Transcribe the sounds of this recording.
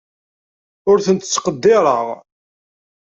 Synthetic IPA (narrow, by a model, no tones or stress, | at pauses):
ʊɾθənt̪ə̥t͡sːqəd̪ːɪɾˤə̰ʁ